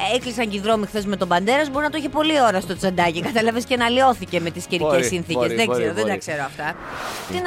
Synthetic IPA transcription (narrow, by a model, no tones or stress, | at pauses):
eklisɐɲɟiðɾo̞mixθe̞zme̞t̪o̞bɐnd̪e̞ɾɐzbo̞ɾinɐt̪oiçepo̞lio̞ɾɐst̪o̞t͡sɐnd̪ɐcikɐt̪elɐvescenɐlio̞θice̞me̞t̪isceɾicesːinθikeszðezeɾoðed̪ɐkse̞ɾoɐft̪ɐ | t̪in